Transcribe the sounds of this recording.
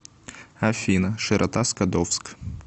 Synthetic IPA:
ɐfʲinɐʂɨɾʔɐt̪askɐd̪ɔfsk

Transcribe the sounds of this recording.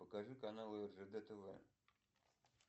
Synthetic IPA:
pəkaʐɨkanalˠɨɛrʐɛd̪ɛt̪ɛvɛ̰

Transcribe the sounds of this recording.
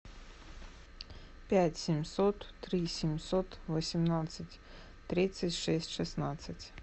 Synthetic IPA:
pʲætʲsʲɪmʲsot̪ːɾʲisʲɪmʲsot̪vəsʲɪmnat̪sɨtʲ | t̪ɾʲit̪sɨtʲʂɛsʲtʲʂɨsnat̪sɨtʲ

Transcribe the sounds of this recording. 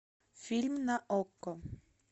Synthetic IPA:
fʲilʲmnaʔɔkːɔ

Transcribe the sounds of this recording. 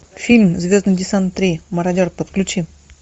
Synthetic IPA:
fʲilʲmzvʲo̞zd̪nɨjdʲɪsant̪ːɾʲiməɾɐdʲorpət̪klʲʉt͡ɕi

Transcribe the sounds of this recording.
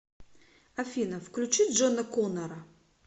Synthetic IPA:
ɐfʲinəfklʲʉt͡ɕit̪ʲʐonɐkonɐɾɐ

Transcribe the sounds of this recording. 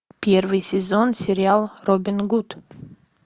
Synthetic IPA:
pʲervɨjsʲɪzonsʲɪɾʲɪalˠrobʲɪnɡut̪

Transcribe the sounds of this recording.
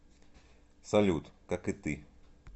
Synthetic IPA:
salʲut̪kakɨt̪i

